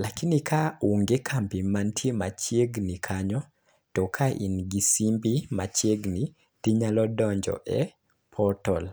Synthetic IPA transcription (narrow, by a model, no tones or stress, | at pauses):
lakinikʰauŋɡekʰampimantʰjemat͡ʃjeɡnikʰaɲɔ | tɔkʰaʔḭnɡisimbimat͡ʃeɡni | tiɲalɔdɔɲd͡ʒɔ̰ʔɛ | pʰɔtɔl